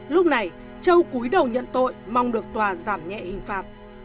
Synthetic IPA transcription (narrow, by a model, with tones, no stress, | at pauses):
lʊ˦˥k͡p̚na˨˩j | t͡ɕə˧wku˨˦jɗə˨˩wɲə̰˧˨nt̪o̰˧˨jma˧wŋ͡mɗɨ˨˩ək̚t̪waː˨˩zaː˧˩mɲɛ̰˧˨hï˨˩ŋ̟faː˨˩t̚